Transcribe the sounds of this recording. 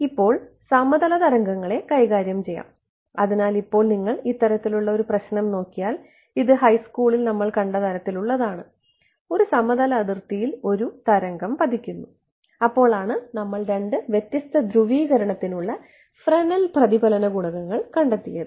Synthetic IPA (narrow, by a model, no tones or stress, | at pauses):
ipːo̞ːɭ | sɐmːɐðɐlɐd̪ɐɾɐŋɡɐŋːɐɭe̞kɐjɣaːɾjɐmt͡ɕe̞jːa̰ːm | ɐðinaːlipːo̞ːɭniŋːɐɭit̪ːɐɾɐt̪ːiluɭːɐo̞ɾuprɐɕnɐmno̞ːkːijaːl | iðɨɦɐjskuːɭilnɐmːɐɭkɐɳɖɐðɐɾɐt̪ːiluɭːɐðaːɳɨ | o̞ɾusɐmːɐðɐlɐːðirt̪ijilo̞ɾut̪ɐɾɐŋɡɐmpɐd̪ʱikʲːunːu | ɐpːo̞ːɭaːɳɨnɐmːɐɭɾe̞ɳɖɨʋje̞t̪jɐst̪ɐd̪ɾuʋiːɣɐɾɐɳɐt̪ːinuɭːɐ | frɐnɐlprɐðibɐlɐnɐɡuɳɐɣɐŋːɐɭkɐɳɖɐt̪ːijɐðɨ